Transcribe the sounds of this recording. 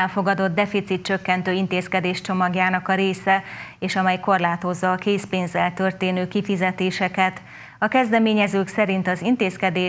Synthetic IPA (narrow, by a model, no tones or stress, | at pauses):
ɛlfo̞ɡɒd̪o̞d̪̚d̪ɛfit̪sit̪̚t͡ʃøkːɛnt̪øːint̪eːskɛd̪eːʃt͡ʃo̞mɒɡjaːnɒkɒɾeːsɛeːʃɒmɛjko̞rlaːt̪o̞zːɒːkeːspeːnzɛlt̪ø̞rt̪eːnøːkifizɛt̪eːʃɛkɛt̪ | ɒkɛzd̪ɛmeːɲɛzøːksɛɾint̪ɒzint̪eːskɛd̪eː